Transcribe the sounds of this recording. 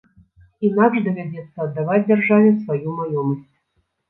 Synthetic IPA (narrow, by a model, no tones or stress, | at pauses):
inaɡʐd̪ɐvʲad͡zʲɛt̪sːɐːd̪ːavad͡zʲd͡zʲɛrʐavʲɛsvajumajɔməsʲt͡sʲ